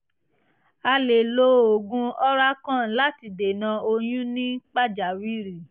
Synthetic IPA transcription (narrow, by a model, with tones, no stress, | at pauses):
a˧le˨lo˦˧˦o˨ɡũ˧ɔ˦ɾa˦kã˦˨la˦ti˧de˨nã˧o˧j̃ũ˦nĩ˦k͡pa˦d͡ʒa˨wi˦ɾi˦˨